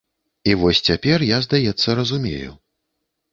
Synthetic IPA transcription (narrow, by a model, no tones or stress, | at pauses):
ivɔsʲt͡sʲapʲɛrjazd̪ajɛt̪sːɐɾɐzumʲḛjṵ